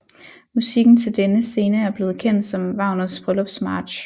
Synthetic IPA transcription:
musiɡ̥n̩t͡sʰe̝ld̥enəse̝ːnəæɐb̥le̝ːð̩ˠkʰen̰d̥sɒ̽mʋɑ̈ʊnɐsb̥ʁœlɔb̥smɑ̈ːd̥ɕ

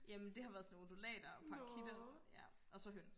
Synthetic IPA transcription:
jæmend̥e̝ɦhɑ̈ʋæɐðˠsɔnmo̝d̥olɛ̰ːd̥ɐɒpʰɑ̈kʰid̥ɐsɒjæ | ʔɒ̽sɒ̽ɦøns

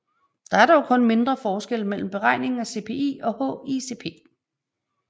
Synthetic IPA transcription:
d̥ɑ̈æɐɾɑjoʊkʰɔ̽nme̝nd̥ʁɐfɒːsɡ̥el̰mel̰m̩b̥e̝ʁɑ̈ɪ̰ne̝ŋ̩æse̝ːpʰe̝̰ːḭːɒ̽hɔ̰ise̝pʰe̝̰ː

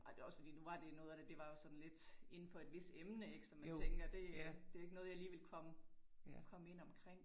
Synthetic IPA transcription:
ʔɒd̥e̝ɒ̽sfɒ̽d̥ḭːnuʋɑ̈d̥e̝nɔ̽ːð̞̩ˠd̥æd̥e̝ʋɑ̈jo̝sɒ̽d̥n̩le̝d̥e̝nn̩fɒ̽e̝d̥ʋe̝sd̥emnəe̝ɡ̥sɒ̽mːænʰeŋɡ̥ɐd̥e̝d̥e̝æe̝ɡ̥nɔ̽ːð̞̩ˠjɑ̈liːʋelkʰɒ̽məkʰɒ̽məe̝n̰ɒ̽mkʰʁeŋ̰

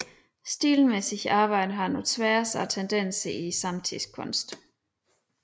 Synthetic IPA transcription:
sd̥ḭːlmesiçɑ̈ːb̥ɑ̈ɪ̰d̥əɦɑ̈nut͡sʰʋæːɐsæt͡sʰend̥en̰səisɑ̈mt͡sʰiskʰɔ̽nsd̥

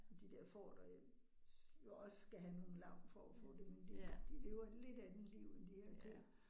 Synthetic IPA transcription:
d̥id̥eɐ̰fɒ̰ːd̥ɒj | jo̝ɒ̽ssɡ̥æɦæno̝ːn̩lɑ̈ʊ̰d̥fɒæfɔ̰̽ːd̥e̝mend̥e̝̥d̥ḭd̥e̝ʋɐle̝d̥æd̥en̩liʊend̥iheɐ̰kʰøɐ

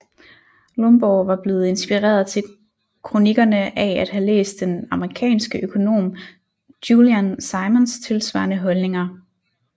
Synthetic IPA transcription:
lɔmb̥ɒːʋɑ̈b̥le̝ːð̞̩ˠe̝nsb̥iʁḛːɐðˠt͡sʰe̝l | kʰʁo̝niɡ̥ɐnəʔææd̥ɦælḛːsd̥ːenɑ̈məʁikʰɛ̰ːnsɡ̥əʔøkʰo̝no̝̰ːm | d̥juliænsɑ̈ɪmənst͡sʰe̝lsʋɑ̰̈ɐnəɦɒ̽lne̝ŋɐ

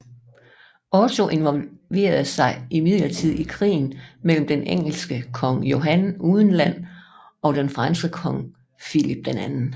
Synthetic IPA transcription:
ʔɒt͡sʰo̝ʔe̝nʋɒ̽lʋe̝̰ːɐð̩ˠsɑ̈ɪʔimiðˠlɐt͡sʰið̞̰ˠikʰʁḭːn̩mel̰m̩d̥eneŋ̰l̩sɡ̥əkʰɒ̽ŋjo̝ɦænuːð̞ˠən̩læn̰ | ɒ̽d̥enfʁɑnsɡəkʰɒ̽ŋ | filib̥̚d̥enænn̩

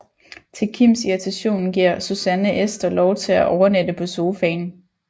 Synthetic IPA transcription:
t͡sʰe̝lkʰim̰siʁit͡sʰæɕo̝̰ːnɡ̥iɐ̰susænəʔesd̥ɐlɒʊt͡sʰe̝læʔɒʊɐned̥əpʰɒ̽so̝ːfɛ̰ɪn

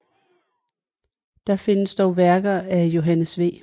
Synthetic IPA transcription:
d̥ɑ̈fe̝nəsd̥ɒʊʋæɐɡ̥ɐæjo̝ɦænəsʋe̝̰ː

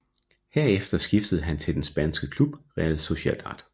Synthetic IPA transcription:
heɐ̰efd̥ɐsɡ̥ifd̥əð̞̩ˠɦænt͡sʰe̝ld̥ensb̥ænsɡ̥əkʰlub̥ʁɛð̩ˠso̝ɕɛld̥ɑ̰̈d̥

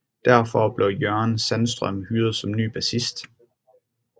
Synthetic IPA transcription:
d̥æɐ̰fɒb̥lejɶɐnsænsd̥ʁœ̰mhyːɐð̞̩ˠsɒ̽mny̰ːb̥æsisd̥

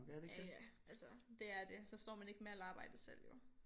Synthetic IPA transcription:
æɐdeɡæælsɒd̥e̝æɐd̥e̝sɒ̽sd̥ɒ̰ːmæne̝ɡ̥əmeælɑ̈ːb̥ɑ̈ɪ̰d̥əsel̰jo̝

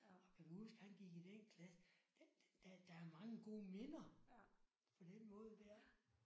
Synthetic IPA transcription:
ɒ̽kʰæmusɡ̥hænɡ̥iɡ̥id̥enkʰlæsəd̥d̥æd̥æːɐmɑ̈ŋəɡ̥o̝̰ːmenɐ | pʰɒ̽d̥enmɔ̽ːð̞̩ˠd̥æɐ

